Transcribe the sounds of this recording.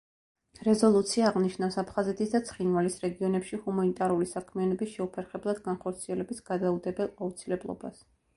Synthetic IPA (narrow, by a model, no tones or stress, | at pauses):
ɾɛzɔlˠut̪sʰiaːʁniʃnafsapʰχazɛt̪ʰisd̪at̪sʰχinvalisɾɛɡiɔnɛpʃihumanit̪ʼaɾulisakʰmianɔbisʃɛupʰɛɾχɛblˠad̪ɡanχɔɾt̪sʰiɛlɛbisɡ̥ad̪aud̪ɛbɛlˠaut̪sʰilɛblˠɔ̰ba̰s